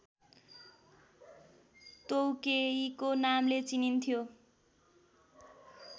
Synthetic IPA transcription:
t̪owkeikonamlet͡sinint̪ʰijo

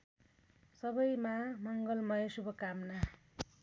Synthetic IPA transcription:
sʌbʌjmamʌŋɡʌlmʌjʌsubʱʌkamna

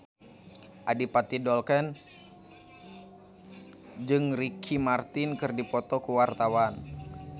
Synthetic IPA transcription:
ʔadipat̪idɔlkɛn | d͡ʒɨŋrikʰimart̪inkɨrdipɔt̪ɔkuwart̪awan

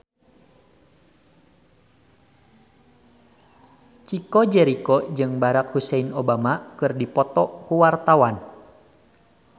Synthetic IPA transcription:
t͡ʃikɔd͡ʒɛɾikɔd͡ʒɨŋbaɾak̚husɛinobamakɨrdipɔt̪ɔkuwart̪awan

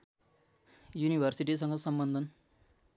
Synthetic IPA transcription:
junibʱʌrsiʈis̬ʌŋɡʌsʌmbʌnd̪ʱʌn

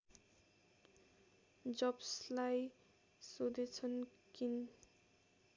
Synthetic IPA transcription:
d͡zʌbslaj | sod̪et͡sʰʌnkin

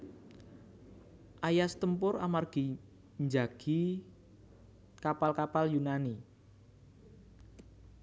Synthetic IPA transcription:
ʔajast̪əmpʊɾa̰marɡ̥i̤ | ɲd͡ʒaɡ̥i | kapalkapaljunani

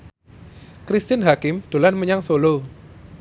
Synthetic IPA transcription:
kɾist̪ɪnɦakɪmd̪̥o̤lanməɲaŋsolo

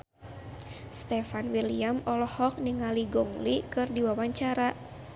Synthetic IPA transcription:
st̪ɛfanwiliamɔlɔhɔk̚niŋaliɡɔŋlikɨrdiwawaɲt͡ʃaɾa

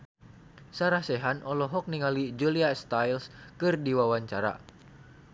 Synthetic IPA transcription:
saɾasɛɦanʔɔlɔɦɔk̚niŋalid͡ʒuliast̪ajlskɨrdiwawaɲt͡ʃaɾa̰

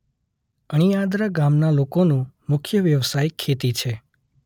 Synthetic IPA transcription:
əɽ̃ijad̪ɾaɡamnalokonũmʊkʰjəʋjəʋsajkʰːet̪it͡ʃʰe

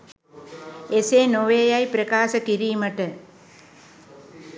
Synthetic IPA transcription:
esenoʋeːjajpɾəkaːsəkiɾiːməʈə

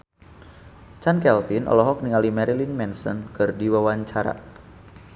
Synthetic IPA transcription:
t͡ʃankɛlfinʔɔ̰lɔɦɔk̚niŋalimɛɾilinmɛnsɔ̰nkɨrdiwawaɲt͡ʃaɾa̰

